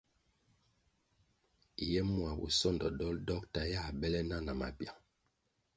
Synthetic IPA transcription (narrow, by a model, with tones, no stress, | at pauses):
jɛ˦mwa˨bṵ˨sɔ˦˨ndɔ˨dɔ˦ldɔ˦k̚ta˨ja˦˨bɛ˦lɛ˦na˦na˨ma̰˨bja˨